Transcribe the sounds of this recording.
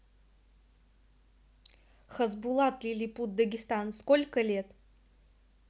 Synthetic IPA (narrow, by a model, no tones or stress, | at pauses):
xɐzbulˠat̪lʲilʲiput̪̚d̪əɡʲɪst̪anskolʲkəlʲet̪